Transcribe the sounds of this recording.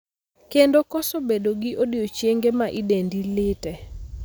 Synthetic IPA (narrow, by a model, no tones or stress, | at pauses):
kendokɔsobedoɡɪʔodiot͡ʃjeŋɡemaʔidendilɪtɛ